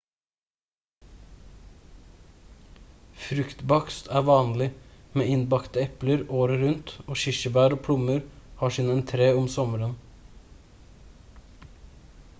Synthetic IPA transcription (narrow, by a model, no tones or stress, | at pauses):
fɾʉkt̪bɑkst̪ʰæːʋɑːnlɪmeːɪnbɑkt̪əɛpləɾoːɾəɾʉnt̪oːʃɪʃəbæːɾoːpʰɽʊməɾhɑːʃɪnɛnt̪ʰɾeːʊmsɔməɾən